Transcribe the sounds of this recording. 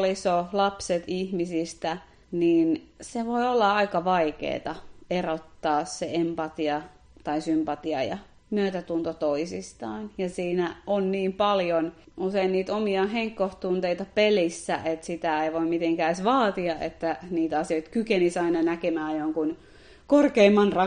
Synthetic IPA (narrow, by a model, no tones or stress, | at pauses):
lisolɑpset̪ihmisist̪æ | niːnseʋoiolːɑɑikɑʋɑikḛːt̪ɑerot̪ːɑːsseempɑt̪iɑ | t̪ɑisympɑt̪iɑ̰jɑ̰ | myøt̪æt̪unt̪ot̪oisist̪ɑːnjɑsiːnæʔonniːmpɑljonuseinniːt̪omiɑheŋkːoht̪unt̪eit̪ɑpelisːæ̰ʔet̪sit̪æeiʋoimmit̪eŋkæisʋɑːt̪iɑʔḛt̪ːæniːt̪ɑsioit̪kykenisɑinɑnækemæːjoŋkun | korkeimːɑnrɑ